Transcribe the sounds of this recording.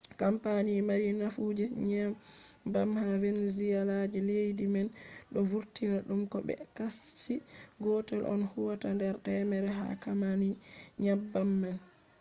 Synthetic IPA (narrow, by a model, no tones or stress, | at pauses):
kampanimaɾinafud͡ʒɛɲabamhavɛnzijalad͡ʒɛlejdimɛnɗɔvuɾtinaɗumkɔbɛ̰kast͡ʃiɡɔtɛlʔɔ̰nhuwatandɛɾtɛmɛɾɛɦa̰kamaniɲabamːan